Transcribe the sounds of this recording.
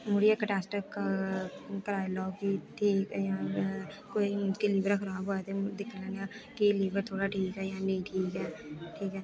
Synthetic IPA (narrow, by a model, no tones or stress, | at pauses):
mʊɽijakəʈaːsʈək | kəɾaːjlɔːɡbiʈʰiːkɛjãː | koːind͡ʒkiliːʋəɾkʰəɾaːbɦoːet̪ed̪ɪkʰːlɛ̃ːnakiliːʋəɾt̪ʰoːɽaʈʰiːkɦɛːjãːnəĩʈʰiːkɦɛːʈʰiːkɦɛː